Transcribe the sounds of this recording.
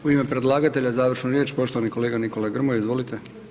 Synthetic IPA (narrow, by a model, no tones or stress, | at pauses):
uimepɾe̞d̪lˠaːɡat̪e̞ʎazaːʋr̩ʃnoɾjet͡ɕpo̞ʃt̪oʋanikoleːɡaniko̞laɡr̩mojizʋo̞lit̪e